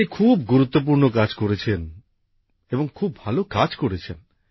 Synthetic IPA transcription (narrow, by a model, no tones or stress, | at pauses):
ikʰubɡuɾut̪ːop̬uɾnokad͡ʑkoɾet͡ɕʰen | eboŋkʰubːʱalokad͡ʑkoɾet͡ɕʰen